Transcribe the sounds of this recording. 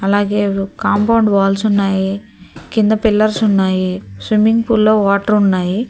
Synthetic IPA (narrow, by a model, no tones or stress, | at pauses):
ɐlaːɡeːkaːmpɐwɳɖʋaːlsunːaːji | kind̪ɐpilːɐɾsʊnːaːjisʋimːiŋɡpuːlːoːʋaːʈɐɾʊnːaːji